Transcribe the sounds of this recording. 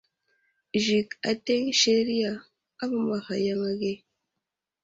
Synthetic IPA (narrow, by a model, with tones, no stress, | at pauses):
ʒi˨ka˨te˦ŋʃe˦ɾi˦ja˨ | a˦ma˨ma˨xa˨ja˦ŋa˦ɡe˦